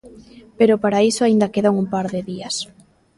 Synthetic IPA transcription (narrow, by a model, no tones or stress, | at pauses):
peɾopaɾaisoaind̪ɐkeðaŋumpaɾðɪðiɐs